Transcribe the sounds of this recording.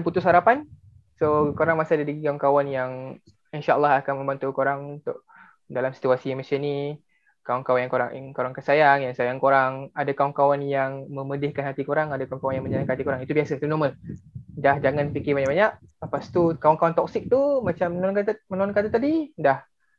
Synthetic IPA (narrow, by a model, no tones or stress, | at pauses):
nput̪ʊsɦaɾapan | sokoɾaŋmasadadiɡikawankawanjaŋ | inʃaʔa̰lːaɦakanmə̃mbant̪ukoɾaŋunt̪ʊʔ | dalamsi̥t̪uasiɛmasəni | kawankawanjaŋkoɾa̰koɾaŋkansajaŋjaŋsajaŋkoɾaŋadakawankawanjaŋmə̃mədɪhkanɦat̪ikoɾaŋadakawankawanjaŋmə̃ɲanaŋkat̪ikoɾaŋit̪ubiasəit̪unɔməldahd͡ʒaŋanpikɪbaɲaʔbaɲaʔ̚past̪ukawankawant̪ɔk̚sɪk̚t̪umat͡ʃamːənnkamənoɔnkat̪at̪adidah